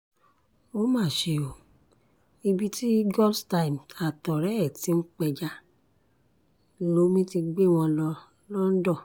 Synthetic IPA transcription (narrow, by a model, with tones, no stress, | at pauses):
o˦mãː˦˨ʃe˧o˨ | i˧bi˧ti˦ɡɔ˦lsta˧i˨ma˨tɔ˨ɾɛ˨˦ɛ˦˨ti˦n̩˦k͡pɛ˧d͡ʒa˧˨ | lo˧˦mĩ˦ti˧ɡ͡be˦˨w̃ɔ̃˧ | lɔ˦n̩˦dɔ˦˨